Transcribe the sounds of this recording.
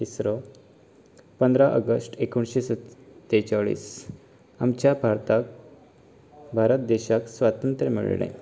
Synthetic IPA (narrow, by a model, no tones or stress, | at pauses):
t̪isɾɔ | pənd̪ɾaʔəɡəsʈekuɳɕesət̪t̪ːet͡ɕaɭḭːs | amt͡ɕjabʱaɾt̪ak̚ | bʱaɾət̪d̪eɕaksʋat̪ənt̪ɾəmḭɭɳḛ̃